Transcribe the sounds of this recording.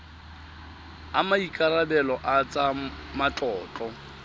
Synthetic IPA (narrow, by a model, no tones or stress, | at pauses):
amaikʼaɾabɛlɔʔat͡sʼamat͡ɬʼɔːt͡ɬʼɔ